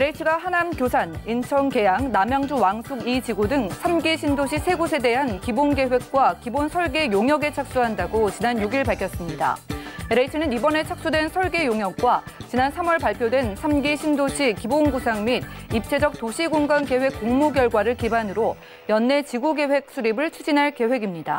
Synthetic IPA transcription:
ɾeitʰɯɡaɦanamkjosʰanint͡ɕʰʌŋke̞jaŋnamjʌŋd͡ʑuwaŋsʰuɡit͡ɕiɡudɯŋsʰamɡiɕʰindoɕʰisʰe̞ɡosʰe̞de̞ɦankibonɡe̞we̞k̚k͈wakibonsʰʌɭɡe̞joŋjʌɡet͡ɕʰak̚s͈uɦandaɡot͡ɕinanjuɡiɭpaɭkʰjʌs͈ɯmɲida̰eɾeitʰɯnɯnibʌne̞t͡ɕʰak̚s͈udwe̞nsʰʌɭɡe̞joŋjʌk̚k͈wat͡ɕinansʰamwʌɭpaɭpʰjodwe̞nsʰamɡiɕʰindoɕʰikibonɡusʰaŋmid̚ip̚t͡ɕʰe̞d͡ʑʌk̚t͈oɕʰiɡoŋɡanke̞we̞k͈ːoŋmuɡjʌɭɡwaɾɯɭkibanɯɾo | jʌnːe̞t͡ɕiɡuɡe̞we̞k̚s͈ʰuɾibɯɭt͡ɕʰud͡ʑinɦaɭke̞ɸwe̞ɡimɲida̰

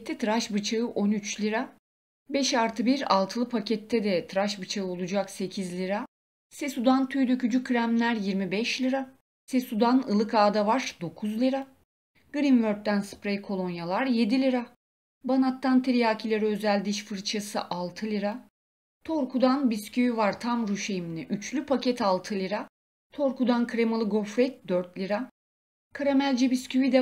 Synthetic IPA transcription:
t̪ʰːɛt̪ʰɾaʃbɯt͡ʃʰaɯʔonyt͡ʃlʲiɾa | bɛʃaɾt̪ʰɯbiɾa̰lˠt̪ʰɯlˠɯpʰacʰɛt̪ʰːɛd̪ɛt̪ʰɾaʃbɯt͡ʃʰaɯo̞lˠud͡ʒakse̞cʰizlʲiɾa | sesud̪ant̪ʰyjd̪øcyd͡ʒykʰːɾæmlʲæɾjiɾmibɛʃlʲiɾa | sesud̪anɯlˠɯkʰaːd̪avaɾd̪o̞kʰuzlʲiɾa | ɡ̥ɾimvøɾt̪̚d̪ænspɾejkʰo̞lˠo̞njalˠaɾje̞d̪ilʲiɾa | banat̪ʰːant̪ʰeɾijaːcʰilʲeɾiø̞zælʲd̪iʃfɯɾt͡ʃʰasɯ̰ʔalˠt̪ʰɯlʲiɾa | t̪ʰo̞ɾkʰud̪anbiscyjivaɾt̪ʰamɾyʃejminʲɛʔyt͡ʃlʲypʰacʰɛt̪ʰalˠt̪ʰɯlʲiɾa | t̪ʰo̞ɾkud̪ankʰɾemalˠɯɡo̞fɾɛt̪̚d̪øɾt̪lʲiɾa | kʰaɾamælʲd͡ʒɛbiscʰyvid̪ɛ

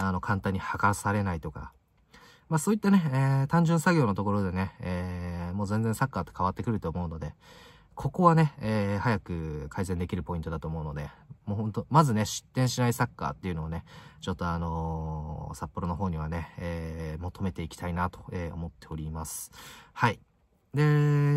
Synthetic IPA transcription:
ano̞kʰãnt̪ãɲ̟ːihakasaɾe̞nait̪o̞ka̰ | maso̞ːit̪ːane̞eːt̪ãɲ̟d͡ʑɨ̃ɰ̃saɡʲo̞ːnot̪o̞ko̞ɾo̞d̪e̞ne̞eːmo̞ːzẽ̞nd͡zẽsakːaːt̪ːo̞kaβat̪ːe̞kɯ̟ɾɯ̟t̪o̞ːmo̞ɯ̟no̞d̪e̞ | kʰo̞ko̞βane̞eːhajakɯ̟kʰaizẽ̞nd̪e̞kʲiɾɯ̟po̞ĩt̪o̞d̪at̪o̞ːmo̞ɯ̟no̞d̪e̞moːhõ̞nt̪omazɨne̞ɕɨ̥t̪ːẽɰ̃ɕinaisakːa̰t̪ːe̞iɯ̟no̞ːne̞t͡ɕo̞t̪ːo̞ano̞ | sapːo̞ɾo̞noɦo̞ːɲ̟iβ̞ane̞eːmot̪ʰo̞me̞t̪e̞ikʲi̥t̪ainat̪o̞̥eːo̞̰mo̞t̪ːe̞o̞ɾʲimasɨ̥hai | d̪e̞

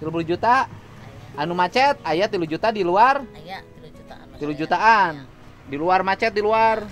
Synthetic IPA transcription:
t̪ilup̬ulud͡ʒut̪aː | numat͡ʃɛt̪̚ajat̪ilud͡ʒut̪adiluar | t̪ilud͡ʒut̪aan | diluarmat͡ʃɛt̪̚diluar

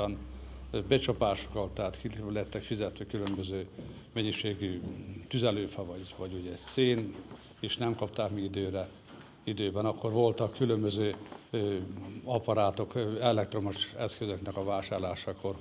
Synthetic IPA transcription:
ɒnbɛt͡ʃɒpaːʃo̥kɒlt̪ːɛaːt̪kilɛɛt̪ːɛkfizɛt̪ʋøkylø̞mbøzøː | mɛɲːiʃeːɡyt̪yzɛløːfɒvɒɟʋɒɟuɟɛseːn | eːʃnɛmkɒp̚t̪aːkmiid̪øːɾɛ | id̪øːbɛnɒkːo̞rvo̞lt̪ɒkːylømbøzøː | ɒpɒɾaːt̪o̞kɛlɛk̚t̪ro̞moʃɛskøzø̞knɛkɒvaːʃaːrlaːʃɒkʰo̞r

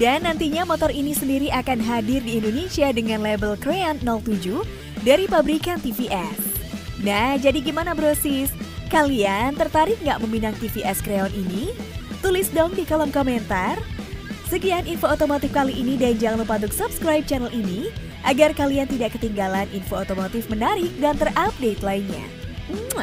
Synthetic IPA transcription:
danːant̪iɲamɔt̪ɔrinisəndiɾiʔakanɦadɪrdiːndonesiadəŋanlebəlkɾeɔnːɔlt̪ud͡ʒu | daɾipabɾikant̪ifiʔɛsnahd͡ʒadiɡimanabəɾosiskaliant̪ərt̪aɾɪk̚ŋɡaʔməminaŋt̪ifiʔɛskɾeɔninit̪ulɪsdɔŋdikalɔŋkoment̪arsəɡianinfoot̪omot̪ɪfkaliʔːnidaɲd͡ʒaŋlupad̪ʊk̚supskɾajp̚t͡ʃanəlʔini | ʔaɡarkaliant̪idaʔkət̪iŋɡalanʔinfoot̪omot̪ɪfmənaɾɪk̚dant̪ərap̚det̪lainɲa̰

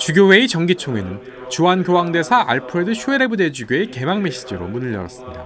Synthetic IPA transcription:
t͡ɕuɡʲjowe̞it͡ɕʌŋɡit͡ɕʰoŋe̞̰nɯn | t͡ɕuanɡjowaŋde̞sʰaʔaɭpʰɯɾedɯɕʰueɾe̞bude̞d͡ʑuɡjoeke̞maŋme̞ɕ͈id͡ʑiɾo̰munɯʎːʌɾʌ̰s͈ɯmɲida

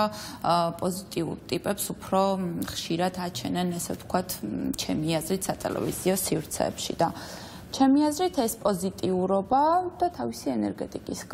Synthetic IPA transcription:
pʼɔzit̪ʼiṵɾt̪ʼipʼɛpsupʰɾɔχʃiɾad̪ʰat͡ʃʰɛnɛnɛsɛvt̪ʰkʰwat̪ʰt͡ʃʰɛmiazɾit̪ʰsat̪ʼɛ̰lɛ̰viziɔsivɾt̪sʰɛ̰ːpʃḭd̪̥a | t͡ʃʰɛmiazɾit̪ʰɛspʼɔzit̪ʼiuɾɔbad̪̥at̪ʰavisiɛnɛɾɡɛt̪ʼikʼisɡ

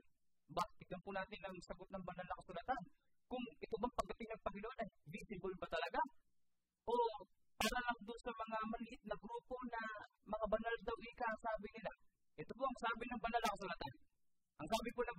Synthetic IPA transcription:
bat̪ɪɡ̪̚ɐnpʊnaːt̪ɪnʔɐŋsɐɡot̪̚nɐŋbɐnalnɐkɐsulat̪an | kʊŋʔɪt̪obɐŋpɐɡ̚d̪ɐt̪ɪŋnɐŋpɐŋɪnoʔonɐjvisɪbʊlbɐt̪ɐlɐɡa | ʔo̞ | paːɾɐlɐŋd̪ʊnsɐmɐŋamɐlɪʔɪt̪̚nɐɡɾuːpo̞nɐ | mɐŋabɐnald̪ɐwʔɪkaʔsaːbɪnɪla | ʔɛt̪opoʔɐŋsaːbɪnɐŋbɐnalnɐkɐsulat̪an | ʔɐŋsaːbɪponɐ

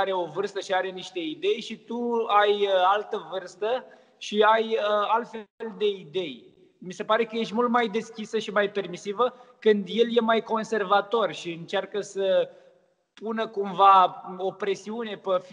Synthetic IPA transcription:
aɾeo̞vɨrst̪əʃiaɾe̞niʃt̪e̞id̪e̞jʃit̪uajəalt̪əvɨrst̪ə | ʃiajəalt̪feld̪e̞id̪e̞j | mise̞paɾe̞kəje̞ʃt̪ʲmult̪majd̪e̞skʲisəʃimajpe̞rmisivəkɨnd̪je̞lje̞majko̞nse̞rvat̪o̞rʃiɨnt͡ʃarkəsə | punəkumvao̞pɾe̞siune̞pəf

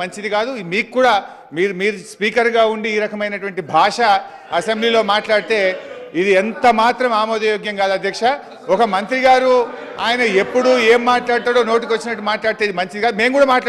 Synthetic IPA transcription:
ɐɲt͡ʃid̪ikaːd̪umiːkkːuːɽaː | miːɾumiːɾuspiːkɐɾɡaːuɳɖiːɾɐkɐmɐjnɐʈʋɐɳʈibʱaːʂɐ | ɐse̞mbliːlo̞ːmaːʈlaːɽit̪e̞ːid̪ient̪ɐmaːt̪ɾɐmaːmoːd̪ɐjoːɡjɐŋkaːd̪uɐd̪ʱjɐkʂɐ | ɔkɐmɐnt̪ɾiɡaːɾu | a̰ːjɐnɐe̞pːuɽue̞ːmːaːʈlaːɽt̪aːɽo̞ːno̞ːʈik̬iʋɐt͡ʃːinɐʈːumaːʈlaːɽit̪eːid̪imɐɲt͡ʃid̪ikaːd̪ume̞ːmkuːɽaːmaːʈː

